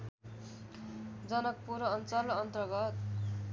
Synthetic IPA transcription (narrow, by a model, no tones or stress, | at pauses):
d͡zʌnʌk̚puɾʌnt͡sʌlʌnt̪ʌɡʌt̪̚